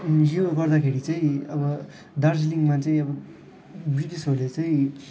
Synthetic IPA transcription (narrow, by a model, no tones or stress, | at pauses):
joɡʌrd̪akʰeɾit͡sʌĩʌbʌ | d̪ʌrsliŋmat͡sʌĩʌbʌ | biʈisɦolet͡sʌĩ